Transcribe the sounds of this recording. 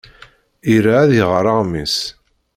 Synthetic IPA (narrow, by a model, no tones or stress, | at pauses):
iɾaːðjəʁɾˤɑʁmis